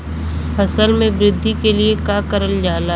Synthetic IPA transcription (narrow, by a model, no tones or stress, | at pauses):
fɐsəlmẽbɾɪd̪ʱːikeliekaːkəɾəld͡ʒaːla